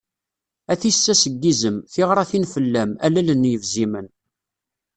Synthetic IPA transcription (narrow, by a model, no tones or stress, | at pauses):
æθisːæsəɡːizəmθɪʁɾˤæθinfəlːæmælælənːjəvzimən